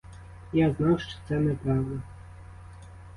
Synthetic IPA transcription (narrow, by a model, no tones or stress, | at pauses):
jaznawʂtɔ̥t̪sɛnɛpɾɑvd̪ɐ